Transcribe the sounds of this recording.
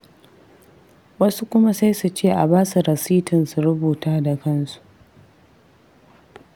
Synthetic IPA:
wɐ˦su˦kʷʊ˦ma˦sa˦jsu˨t͡ʃeː˦˨ʔa˨baː˦su˨ɾɐ˨siː˦tʰɪ˨nsu˨ɾʊ˦buː˨taː˦da˨kɐ˦nsu̥˨ʔ

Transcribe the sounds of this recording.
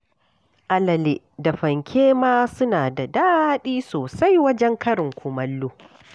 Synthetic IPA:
ʔa˨lɐ˨le˨ | da˨ɸɐ˨ŋkʲʰeː˦maː˦sʊ˦naː˨da˨daː˦ɗiː˦soː˨sa˦jwɐ˦d͡ʒɛ˦ŋkɐ˦ɽɪ˨ŋkʷʰʊ˨mɐ˦lːuː˦

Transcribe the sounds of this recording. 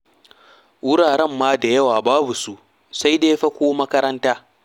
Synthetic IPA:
wʊ˦ɽaː˨ɽɛ˦˨mːaː˦da˨jɐ˦waː˨baː˦bu˨su˦ʔ | sa˦jdeː˦ɸɐ˦kʷoː˦mɐ˦kɐ˦ɾɐ˦ntaː˦

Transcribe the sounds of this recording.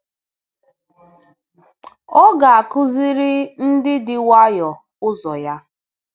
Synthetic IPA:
ɔ˦ɡa˨a˨kʊ˦zi˦ɾɪ˦n̩˦dɪ˦dɪ˦wa˦jɔ˨ | ʊ˦zɔ˨ja˦

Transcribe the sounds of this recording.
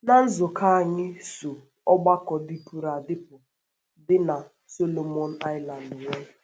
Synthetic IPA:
na˦n̩˦zʊ˨kʰa˦a˨ɲɪ˦su˨ | ɔ˦ɡ͡ba˦kɔ˨dɪ˦pu˨ɾa˨dɪ˦pʊ˨ | dɪ˦na˨ | so˦lo˨mɔ˦n̩˦a˦jla˨n˨dɲɔ˦˨

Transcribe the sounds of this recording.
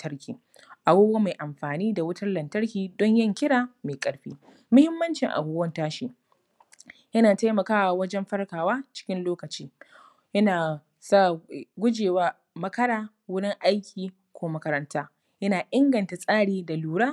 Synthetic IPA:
tʰɐ˦ɽkʲiː˨ | ʔa˨buː˦ɡwa˦ma˨jʔa˨mɸaː˨niː˦da˨wʊ˦tʰɐ˦rlɐ˨ntɐ˦ɾkʲiː˨dɔ˦ɲjɐ˦ŋkʲɪ˦ɽaː˨meː˨kʼɐ˦ɽɸiː˦ | mʊ˦hɪ˦mːɐ˦nt͡ʃɪ˨ŋʔa̰˨buː˦ɡwɐ˦ntaː˦ʃiː˦ | jɐ˦naː˨ta˦jmɐ˨kaː˦wa˨wɐ˦d͡ʒɛ˦mɸɐ˦rkaː˨waː˦t͡ʃɪ̥˦kʲɪ˦nloː˦kɐ˨t͡ʃiː˦ | jɐ˦naː˨ | sa˦˨ɡʷʊ˦d͡ʒeː˨waː˦ | mɐ˦kɐ˦ɾaː˦ | wʊ˦ɽɪ˦ŋʔa˦jkʲʰiː˨ | kʷoː˦mɐ˦kɐ˦ɾɐ˦ntʰaː˦ | jɐ˦naː˨ʔɪ˦ŋɡɐ˨nta˨sʼaː˦ɽiː˨da˨luː˨ɽaː˦

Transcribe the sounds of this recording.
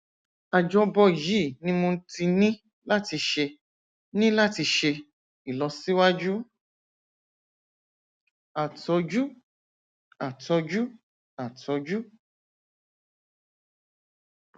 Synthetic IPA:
a˨d͡ʒɔ˧˦bɔ˧˨ji˦˨nĩ˦mõ˧˦ti˧nĩ˦ | la˦ti˧ʃe˧ | nĩ˦la˦ti˧ʃe˧ | i˨lɔ˨˧˦si˦wa˦d͡ʒu˦ | a˨tɔ˧d͡ʒu˦ | a˨tɔ˧d͡ʒu˦ | a˨tɔ˧d͡ʒu˦

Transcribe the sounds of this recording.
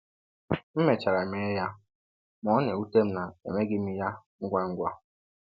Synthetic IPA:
m̩˦me˨t͡ʃa˨ɾa˨me˨˦ja˦ | mɔ˦ne˨u˦te˦m̩˦na˨ḛ˨me˦ɡɪ˦m̩˦ja˦ŋ̩˦ɡʷa˦ŋ̩˦ɡʷa˦

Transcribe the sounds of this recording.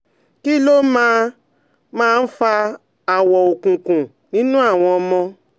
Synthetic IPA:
ki˦lo˦mãː˦ | mãː˦˧n̩˦fa˧ | a˨wɔ˨o˨kũ˨kũ˨ | nĩ˦nũ˦a˦˨w̃ɔ̃˧ɔ˧mɔ̃˧

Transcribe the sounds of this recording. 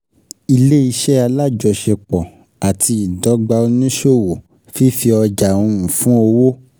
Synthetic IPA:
i˧le˦i˧ʃɛ˦a˧la˦˨d͡ʒɔ˧ʃɛ˧k͡pɔ˨ | a˨tʰi˧i˨dɔ˨˦ɡ͡ba˧o˧nĩ˦ʃo˦˨wo˨ | fi˦fi˧ɔ˧d͡ʒa˨ũ˧ũ˨fũ˦o˧wo˦

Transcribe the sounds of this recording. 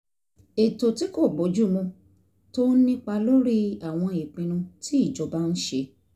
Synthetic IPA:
e˨to˨ti˦ko˦˨bo˨˦d͡ʒu˦˨mɔ̃˧ | to˦nĩ˦k͡pa˧lo˦ɾi˦a˨w̃ɔ̃˧˨i˨k͡pĩ˧ñũ˧tʰi˦i˦˨d͡ʒɔ˨˦ba˦ñ̩˦ʃe˧

